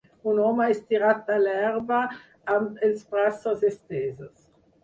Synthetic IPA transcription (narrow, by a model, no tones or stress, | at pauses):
unɔmaɛst̪iɾat̪̚alɛrva | ant̪elspɾasazest̪eːzas